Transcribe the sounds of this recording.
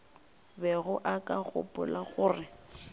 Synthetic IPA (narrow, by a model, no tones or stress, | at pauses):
bɛɣʊʔakʼaɣʊ̰pʼʊlaɣʊːrɪ